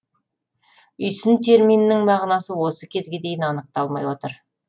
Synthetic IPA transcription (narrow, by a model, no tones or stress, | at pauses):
ʏjsɪnt̪ʰe̞ɾmijnːɪŋmɑʁnɑsəwo̞səkʲʰe̞zɡʲe̞d̪e̞jɪnɑnəq̚t̪ɑlˠmɑjwo̞t̪əɾ